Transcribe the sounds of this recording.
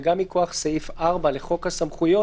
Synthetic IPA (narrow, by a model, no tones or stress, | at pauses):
ɡamːiko̞aχsajifʔaʁbaleχo̞khasamχujo̞